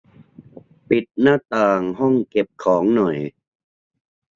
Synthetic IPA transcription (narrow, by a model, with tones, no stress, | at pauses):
pi˨˩t̪̚naː˥˩t̪aː˧ŋɦɔ˥˩ŋke˨˩p̚kʰɔː˩˦ŋnɔ˨˩j